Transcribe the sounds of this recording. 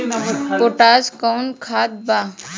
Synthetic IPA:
koʈaːzkankʰaːd̪̚ba

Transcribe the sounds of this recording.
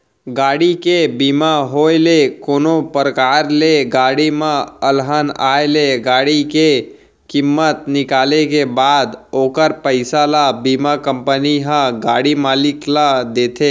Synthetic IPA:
ɡaːɽikebimaɦoːelekoːnopɾəkaːɾleɡaːɽimãəlɦanaːeleɡaːɽike | kɪmːət̪nɪkaːlekebaːd̪oːkəɾpəɪsalabimakəmpəniɦãɡaːɽimaːlɪklad̪eːt̪ʰe

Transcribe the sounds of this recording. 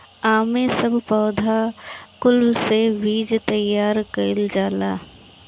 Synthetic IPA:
aːmẽsɐbʱpɔːd̪ʱakʊlbseʋiːd͡ʒt̪ɐjːaːɾkɐɪld͡ʒaːlaː

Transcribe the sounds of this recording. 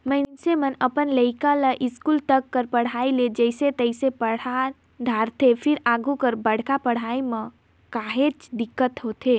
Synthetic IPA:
məɪnnsemənəpənləɪkaləʔɪskult̪əkːəɾpəɽ̤aːiled͡ʒəɪset̪əɪsepəɽ̤a | d̪ʱaːɾt̪ʰepʰɪɾaɡukəɾbəɽ̤kapəɽ̤aimə̃ | kaɦet͡ʃd̪ɪkːət̪ɦot̪ʰe

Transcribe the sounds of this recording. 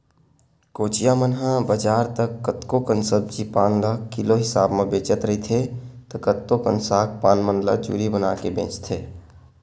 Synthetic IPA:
koːt͡ʃijamənɦãbəd͡ʒaːɾt̪əkːət̪kokənsəb̚d͡ʒipaːnləkɪloɦɪsaːbmẽbeːt͡ʃət̪ɾəɦit̪ʰet̪əkət̪ːokənsaːk̚paːnmənlə̰d͡ʒṵːɾibənaːkebḛ̃ːt͡ʃt̪ʰeː

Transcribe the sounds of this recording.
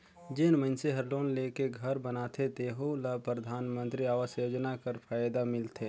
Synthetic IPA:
d͡ʒeːnmənseɦɐɾloːnleːkeɡʱəɾbənaːt̪ʰet̪eːɦolapɾəd̪ʱaːnmə̃nt̪ɾiaːʋəsjoːd͡ʒnakəɾpʰaːjd̪amɪlt̪ʰeː

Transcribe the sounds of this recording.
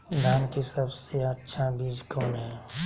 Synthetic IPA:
d̪ʱaːnkisəbseɐtːʃʰabiːd͡ʒkoːnɦɛ̃ː

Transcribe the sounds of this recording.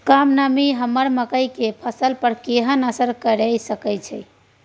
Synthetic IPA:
kamnamiɦəməɾməkəjkepʰəsəlpəɾkeɦənəsəɾkəɾəjsəkəjt͡ʃʰɛj

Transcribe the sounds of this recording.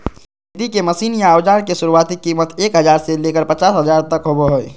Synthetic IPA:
it̪ikeməsiːnjaːwd͡ʒaɾkesuɾuat̪ikimət̪eːkɦəd͡ʒaːɾselekəɾpət͡ʃaːsɦəd͡ʒaːɾt̪əkɦobeɦoj

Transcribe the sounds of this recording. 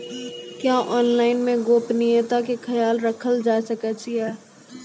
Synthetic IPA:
kjaːʔɔːnlaːɪnmẽɡoːpnijət̪akekʰɐjaːlɾəkʰəld͡ʒaːsəkət͡ʃʰiɦɛː

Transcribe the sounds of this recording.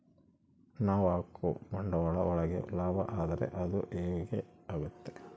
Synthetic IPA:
naːʋaːkːumɐɳɖɐɐɭɐɔɭɐɡḛlaːbɐ̰ʔaːd̪ɐɾḛʔɐd̪ṵʔeːɡeaːɡut̪ːe

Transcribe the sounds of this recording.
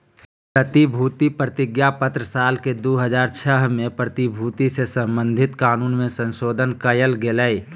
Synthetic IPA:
pɾət̪ibʱuːt̪ipɾət̪ɪɡjapət̪ɾəsaːlked̪oːɦəzaːɾt͡ʃʰəɦmẽpɾət̪ibʱuːt̪isesə̃mbə̃nd̪ʱɪt̪kaːnuːnmẽsə̃nʃoːd̪ʱənkəjəlɡeləi

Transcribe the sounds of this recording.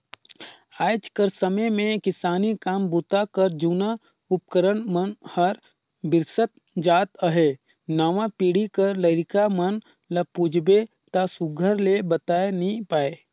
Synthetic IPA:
aːd͡ʒkəɾsəməjmẽkɪsaːnikaːmbʊt̪akəɾd͡ʒuːna | ʊp̚kəɾənmənhəɾ | bɪɾsət̪̚ | d͡ʒaːt̪əɦe | naːʋãpiːɽikəɾləɪɾɪkamən | lɐpuːd͡ʒʱbe | t̪asʊɡʱəɾlebət̪aːenəɦĩpaːeː

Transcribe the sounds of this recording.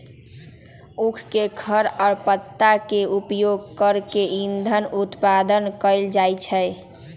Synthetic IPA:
ukʰkeɡʰʱəɾɔːɾpət̪ːakeupjoɡkəɾkeind̪ʱənut̪pad̪ənkəɪld͡ʒajt͡ʃʰə

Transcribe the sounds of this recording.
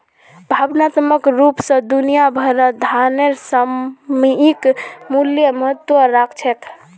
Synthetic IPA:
bʱabnat̪məkɾupsə̃d̪unijabʱəɾəd̪ʱaneɾsəmiikmuljəməɦət̪wəɾakʰt͡ʃʰɛt̪ʰ

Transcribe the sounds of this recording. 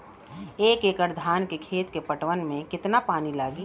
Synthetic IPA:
eːkeːkəɾd̪ʱaːnkekʰeːt̪kepəʈʋənmẽkɪt̪napaːnilaːɡiː

